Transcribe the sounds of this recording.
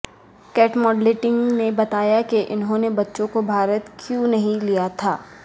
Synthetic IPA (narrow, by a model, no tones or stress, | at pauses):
kɛːʈmɔːɖleːʈɪ̃ŋɡnebɐt̪aːjakeʔɪnɦõnebɐtːʃõkobʱaːɾət̪kʰjũnɐɦĩlijat̪ʰaː